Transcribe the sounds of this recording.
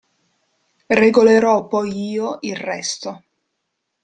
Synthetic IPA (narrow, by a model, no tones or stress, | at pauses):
reɡoleɾɔpːɔjiːoilrɛst̪o